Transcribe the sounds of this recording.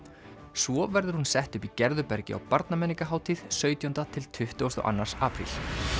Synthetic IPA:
svɔvɛɾðʏɾ̥hunsɛht̪ʏpicɛɾðʏpɛɾcɪ̰a̰wpaɾt̪namɛnːiŋkaɦaːwt̪ʰiːð̥sœːɥt̪jɔnt̪at̪ʰɪlt̪ʰʏht̪ɔwʏst̪ɔ̰ʔa̰nːaɾ̥saːpɾḭl

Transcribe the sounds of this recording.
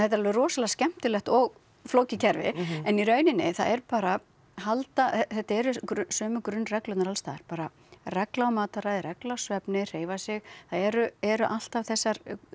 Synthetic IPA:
θɛht̪aɾalvɪrɔːsalascɛm̥t̪ʏlɛht̪ɔɣ | floːwcɪcʰɛɾvɪ̰ɛniɾœːɥnɪnːɪθa̰ɛɾpaːɾa | halt̪aθɛθɛht̪aɛɾʏkɾsœːmʏkɾʏnːrɛklʏt̪naɾalst̪aːɾ̥paːɾa | rɛklawmaːt̪aɾajðɾɛklasvɛpnɪr̥eːjvasɪɣθaðɛɾʏɛɾʏʔal̥t̪avθɛsːaɾ

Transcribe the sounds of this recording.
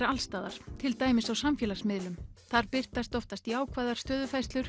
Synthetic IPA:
ɾalst̪aːðaɾ̥t̪ʰɪlt̪aːjmɪsawsamfjɛːlasmɪðlʏmθaɾpɪr̥t̪ast̪ɔft̪ast̪iaːwkʰvaːjðaɾ̥st̪œːðʏfajst̪lʏɾ̥

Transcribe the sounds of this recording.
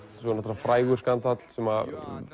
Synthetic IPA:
sɔnat̪ɾafɾaːjɣʏɾ̥skant̪at̪l̥sɛma

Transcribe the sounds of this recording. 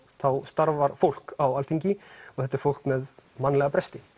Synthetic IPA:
θawst̪aɾvaɾ̥fowl̥kawalt̪iɲcɪɔɣθɛt̪aɾ̥fowl̥kmɛðmanːlɛɣapɾɛst̪ɪ

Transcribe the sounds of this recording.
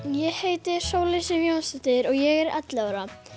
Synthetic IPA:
jɛɣheːjt̪ɪ̥soːwlesɪvjownsɪt̪ɪɾɔɣjɛɣɛɾɛ̰t̪lɪaɾa

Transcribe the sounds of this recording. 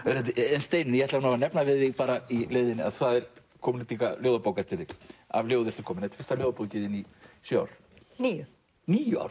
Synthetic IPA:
œɾɛt̪̬ɪɛnst̪eːjnɪnɪjɛɛt̪lavanavanɛpnavɪðɪɣpaːɾailejðɪnɪa̰ðθaðɛɾ̥ | kʰɔmʏnɪt̪ikaljoːwðapowkat̪ɪt̪ːɪka̰vljoːwðɪɾt̪ɪ̥kʰɔːmɪnɛt̪fɪ̥rst̪aljowðapowcɪðɪnisœa̰wɾ̥ | nijʏ | niːjʏa̰wɾ̥

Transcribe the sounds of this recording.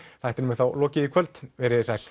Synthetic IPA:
θajht̪ɪnmɛθawlɔːcɪikʰœlt̪vɛɾɪsajl̥

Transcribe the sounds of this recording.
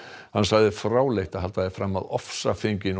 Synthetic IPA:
hansaɣðɪfɾaːwlejht̪aɦalt̪aðɪfɾaːmːaðɔfsafeɲcɪn

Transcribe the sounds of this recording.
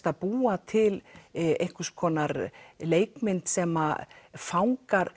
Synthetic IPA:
t̪apuːat̪ʰɪlḛjhkʏ̥skʰɔːnaɾleːjkmɪnt̪sɛma̰fawŋkaɾ

